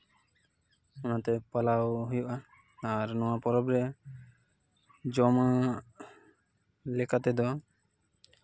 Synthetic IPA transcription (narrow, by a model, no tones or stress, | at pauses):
ɔnat̪ɛpalawɦujuʔaː | ɾnɔwapɔɾɔbɾɛ | d͡ʒɔma | lɛkat̪ɛd̪ɔa